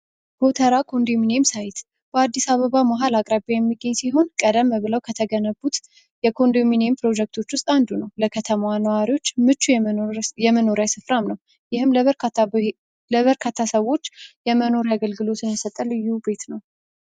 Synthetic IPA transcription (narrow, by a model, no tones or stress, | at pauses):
b̥ot̪ʰəɾakʰo̞nd̪ominemsajɪt̪ | b̥əad̪ːisaβəβamaɦalakʼɾabajɛmːiɡːəɲːsiɦo̞nkʼəd̪əmːβɨləwkʰət̪ʰəɡənəbut̪ | jɛkʰo̞nd̪ominempʰɾo̞d͡ʒɛk̚t̪ʰo̞t͡ʃːwʊst̪ʼand̪unəwləkʰət̪ʰəmanəwaɾiwo̞t͡ʃːmɨt͡ʃːujɛməno̞ɾjasɨfɾamnəw | jɪhɨmləβəɾ | ləβəɾkʰat̪ʰːasəwo̞t͡ʃːjɛməno̞ɾaɡəlɡɨlo̞t̪ʰɨnjɛsət̪ʼːəlɨjːube̞t̪nəw